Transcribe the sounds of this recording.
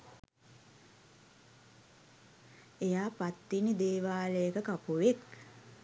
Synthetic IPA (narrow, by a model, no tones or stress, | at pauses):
ejaːpat̪ːinid̪eːʋaːləjəkəkapuʋek